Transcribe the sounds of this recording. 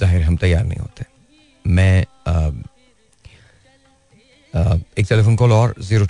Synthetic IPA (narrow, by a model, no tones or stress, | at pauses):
zaːɦɪɾɦɐmt̪ɐjːaːɾnɐ̰ɦḭ̃ɦo̰ːt̪eɛ | mɛ̃ | eːk̚ʈɛlefʰonkoːlɔːɾziːɾo